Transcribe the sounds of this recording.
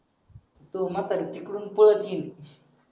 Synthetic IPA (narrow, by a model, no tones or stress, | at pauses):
it̪umat̪adit̪iklunpulakini